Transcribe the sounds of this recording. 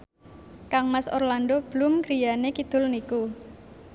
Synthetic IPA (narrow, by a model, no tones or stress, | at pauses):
kaŋmaso̰rlandob̥əlʊmkɾijanekid̪̥ʊ̤lniku